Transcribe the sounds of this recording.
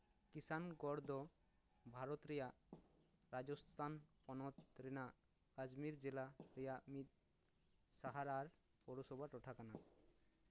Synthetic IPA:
kisanɡɔɾd̪ʱɔ | bʱaɾɔt̪ɾɛjaʔ | ɾad͡ʒɔst̪ʰanpɔnɔt̪ɾɛnaʔ | ad͡ʒmiɾd͡ʒɛlaɾɛjaʔmit̪̚ | saɦaɾaɾ | pɔɾɔsɔbʱaʈɔʈʰakana

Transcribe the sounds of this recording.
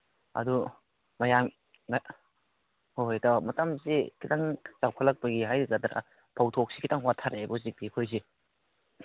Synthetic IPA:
ɐ̰du | mɐjam | hojdɐmɐtɐmsikʰitaŋt͡ʃawkʰalɐk̚pɐɡiɦajɾiɡɐd̪ɾa̰ | pʰawtʰok̚sikʰitaŋwatʰaɾebɔzik̚dikʰojs̬i

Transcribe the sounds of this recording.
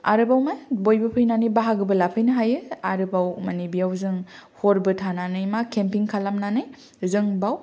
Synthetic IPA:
a̰ɾɯbawmabojbɯpʰɯjnanɯjbaɦaɡɯbɯlapʰɯjnɯɦajɯaɾɯbawmanibijawzɯŋhoɾbɯtʰananɯjmakʰempiŋkʰalamnanɯj | zɯŋbaw

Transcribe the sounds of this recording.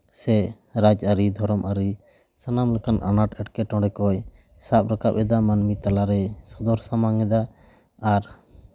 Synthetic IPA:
sɛ | ɾad͡ʒaɾid̪ʱɔɾɔmʔaɾi | sanamlɛkanʔa̰naʈɛʈkɛʈɔ̃ɽɛkɔj | sap̚ɾakap̚ɛd̪amanmit̪alaɾɛsɔd̪ɔɾsamaŋɛd̪aː | ɾ

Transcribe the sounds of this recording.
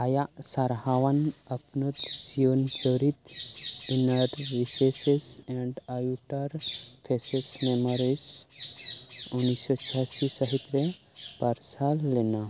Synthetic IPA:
ajasaɾɦaʋanəpnut̪siont͡səɾit̪inəɾʋisesesɛ̃ɳɖajuʈəɾpʰesesmemɔɾis | unːisɔt͡ʃʰasisəɦit̪ɾe | paɾsalːena

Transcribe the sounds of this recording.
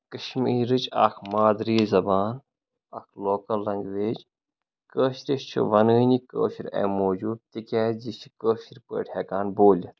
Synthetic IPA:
kəʃmiːɾɨt͡ʃa̰ːkʰmaːd̪ɾiːzɐbaːn | ɐkʰloːkɐlːɐŋɡʋeːd͡ʒ | kəːʃɾist͡ʃʰḭʋɐnənikə̰ːʃiɾʲḛmoːd͡ʒuːd̪̚t̪ikʲɛːd͡ʒit͡ʃʰi̥kəːʃiɾpə̰ːʈʰʲheːkaːnboːlʲi

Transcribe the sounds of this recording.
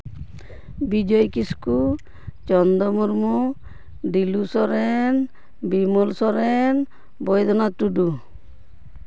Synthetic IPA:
bid͡ʒɔjkisku | t͡ʃɔnd̪ɔmuɾmu | ɖilusɔɾen | bimulsɔɾen | bɔjd̪ʱɔnat̪uɖu

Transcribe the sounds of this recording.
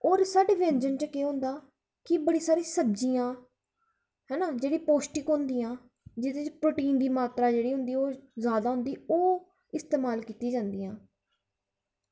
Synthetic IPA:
oːɾsaːɖeːʋɛ̃ːnd͡ʒənt͡ʃkeɦʊ̃nd̪aː | kɪbəɽiːsaːɾiːsəd͡ʒiːãː | ɦɛːnaːd͡ʒeːɽiːpoːsʈɪkɦõnd̪iːãː | d͡ʒɪt̪ẽːt͡ʃpɾoːʈiːnd̪iːmaːt̪ɾaːd͡ʒeːɽiːɦʊ̃nd̪iːoːzjaːd̪aːɦʊ̃nd̪iːoː | ɪst̪eːmaːlkiːt̪iːd͡ʒãːnd̪iːãː

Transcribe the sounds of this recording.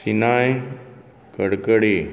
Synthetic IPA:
sinaːj | kəɽkəɽeː

